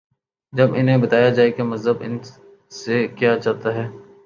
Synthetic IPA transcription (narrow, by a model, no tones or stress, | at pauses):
d͡ʒɐbɪnɦẽbɐt̪aːjad͡ʒaːekemɐzəbɪ̰n | sekijat͡ʃaːɦt̪aɦɛː